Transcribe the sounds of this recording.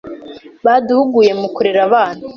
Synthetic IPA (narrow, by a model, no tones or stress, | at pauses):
βaduhuɡuje̞mukuɾeɾaβaːn̥hu